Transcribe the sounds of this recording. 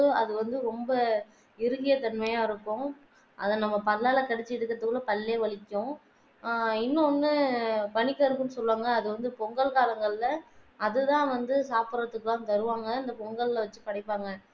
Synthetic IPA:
ɯɐðɯʋɐnd̪ɯɾɔmbɐ | ɪɾɯɣɪjɐt̪ɐɳmɐjaːɪɾɯkːʊ̃ | ʔɐ̰ðɐnɐmːɐpɐðɐlaːlɐkɐɽɛt͡ʃːɯɪɽɯkːɾɐt̪ɯkːɯɭlɐpɐlːeːʋɐɭɪkʲːʊ̃ | ɪnːʊnːɯpɐnɪkːɐɪɾɯkːɯnːɯsɔlːʋaːŋɡɐːðɯʋɐnd̪ɯpɔŋɡɐɭkaːlɐŋɡɐɭɪlɐɐðɯt̪ãːʋɐnd̪ɯsaːpɯɾɐt̪ːɯkːɯlãːnt̪ɐɾɯʋaːŋɡɐɪnd̪ɐpɔŋɡɐɭlɐʋɐt͡ʃːɯpɐɽɐɪpːaːŋɡɐ

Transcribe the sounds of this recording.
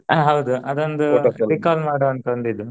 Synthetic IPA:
ɦɐwd̪uʔɐd̪ond̪uɐɐɾikaːlmaːɽɐɐnt̪ɐɳd̪id̪ːu

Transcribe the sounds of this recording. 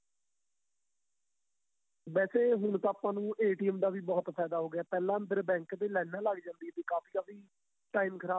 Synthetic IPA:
ʋɛːseːɦʊɳ̃t̪ãːaːpãːnũːʔeːʈiːəmd̪aːʋiːbɔːt̪pʰɛːd̪aːɦoːɡeaːpɛːlãːənd̪əɾbɛ̃ːŋkd̪eːlɛːnãːləɡd͡ʒãːnd̪iɛːt̪eːkaːfʰiːkaːfiː | ʈaːiːmkʰəɾaː

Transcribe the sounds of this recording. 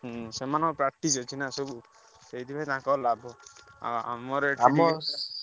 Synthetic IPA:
ɦsemanɔ̃ŋkɔpɾak̚ʈisɔt͡ʃʰinasobu | sejd̪ibajt̪ããkɔlabɔa̰a̰mɔɾeʈamɔ

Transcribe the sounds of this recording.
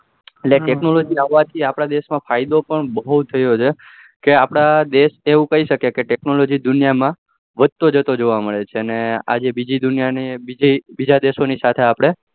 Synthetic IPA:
eʈleʈeknolod͡ʒiaʋːat̪ʰiapɽ̃ad̪eʃmãfajd̪opəɳbəɦut̪ʰːəjot͡ʃʰe | keapɽ̃ad̪eʃeʋũkəiʃəkekeʈeknolod͡ʒid̪ʊnijamã | ʋəd̪̚t̪od͡ʒət̪od͡ʒoʋaməɭet͡ʃʰeənea̰d͡ʒebid͡ʒid̪ʊnjaibid͡ʒibid͡ʒad̪eʃonisat̪ʰeapɽ̃e

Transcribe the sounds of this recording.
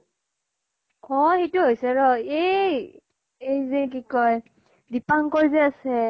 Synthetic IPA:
kɔxejtʊɦojsɛɹɔej | ejzek̬ikɔj | dipaŋkɔɹzeasɛ

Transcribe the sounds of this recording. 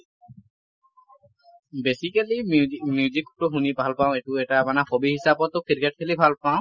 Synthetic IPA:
besikalimjud͡ʒikʈuɦunibʱalpaw̃eʈueʈamanaxobiɦisabɔt̪okiɾkeʈ̚kʰelibʱalpaʊ̃

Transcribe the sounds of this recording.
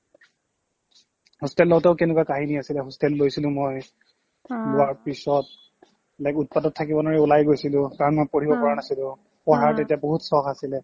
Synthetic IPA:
hustɛlːɔʊtɛʊkɛnɛkwakaɦiniasilɛɦɔstɛlːojsilʊ̃moj | lʊwaɹpisɔt̚ | ɛlajkʊt̚padɔtʰːakibɔnaɹɛulajɡojsilʊ̃kaɹɔnmojpoɹibɔkɔɹanasilʊ̃ | pɔɦaɹtɛtijaboɦutsɔkasilɛ

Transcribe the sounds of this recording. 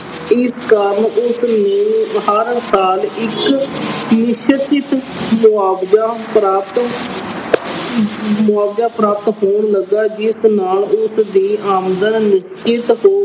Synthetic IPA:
ɪskəɾmʊsneːɦəɾsaːlɪk | nɪʃt̪ɪt̪ | mʊaːbd͡ʒaːpɾaːt̪ | mʊaːbd͡ʒaːpɾaːp̚t̪ɦoːɳləɡaːd͡ʒɪsnaːlʊsd̪iːʔaːmd̪ənːɪʃt͡ʃɪt̪ɦoː

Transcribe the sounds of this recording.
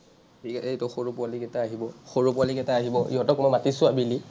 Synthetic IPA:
iketɔxoɹupʊalikɛtaaɦibɔxoɹupʊalikɛtaaɦibɔʔḭɦɔtɔkmɔjmatisʊabili

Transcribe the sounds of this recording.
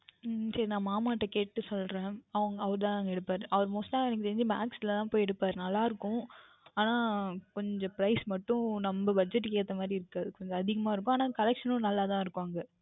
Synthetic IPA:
sɐɾinãːmaːmaːʈːɐkeːʈːɯsɔlɾẽːɐʋɐŋɡɐɐʋɐɾɯt̪ãːnaːŋɡɐɛɽɯpːaːɾɯʔɐʋɐɾmoːsʈaːɛnːɛk̬ːsɛɾɪɲd͡ʒɯma̰ːksɪlɐt̪ãːpoːjɛɽɯpːaːɾɯnɐlːaːɪɾɯkːʊ̃ | aːnaːkɔɲd͡ʒɔ̃pɪɾɐɪsmɐʈːʊ̃nɐmbɐbɐd͡ʒɛʈːkeːt̪ːɐmaːd̪ɾiɪɾɯkːaɐðɯkɔɲd͡ʒɔ̃ɐðɪɣɐmaːɪɾɯkːʊ̃aːnaːkɐlɛkʂɐnʊ̃nɐlːaːt̪ãːɪɾɯkːaːŋɡɐ

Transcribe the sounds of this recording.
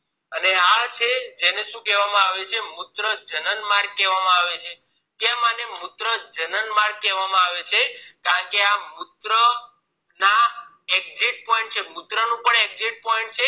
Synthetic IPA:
əneat͡ʃʰed͡ʒeneʃũkɛʋamãaʋet͡ʃʰemʊt̪ɾəd͡ʒənənmaɾɡ̚kɛʋamãaʋet͡ʃʰe | kɛ̃manemʊt̪ɾəd͡ʒənənmaɾɡ̚kɛʋamãaʋet͡ʃʰekãkeamut̪ɾə | na | eɡ̚ziʈ̚pɔiɳʈt͡ʃʰemʊt̪ɾənũpəɳeɡ̚ziʈ̚pɔiɳʈ̚t͡ʃʰe

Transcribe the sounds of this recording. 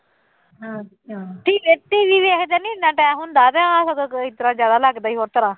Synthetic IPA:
ɦãː | ãːʈʰiːeʈiːʋiːʋeekd̪ɛːnĩːnãːʈɛːɦʊnd̪aːt̪ɛːasəɡkit̪əɾãːzjaːd̪aːləɡd̪aːiːɦoːɾt̪əɾãː

